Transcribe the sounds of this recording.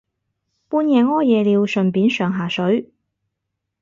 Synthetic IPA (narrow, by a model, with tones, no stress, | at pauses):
puː˥njɛː˨˧ŋɔː˥jɛː˨liː˨˧wsɵ˨npiː˨˥nsœː˨˩ŋɦaː˨sɵ˨˥ɥ